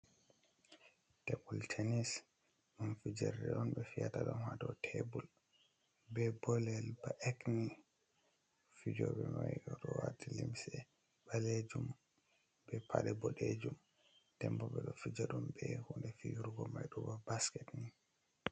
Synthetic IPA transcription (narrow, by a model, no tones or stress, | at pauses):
tebultʰenis | ɗunfid͡ʒɛɾdɛɗɔnɓɛfiataɗɔnhadɔtʰɛbul | bɛbɔlɛlbaʔekni | fid͡ʒɔbɛmajɗɔɗɔwatilimsɛ | baled͡ʒum | bɛpʰaɗɛbɔɗed͡ʒum | tɛmpɔbɛɗɔfid͡ʒaɗumbɛhundɛfijuɾɡɔmajɗɔbabaskɛtni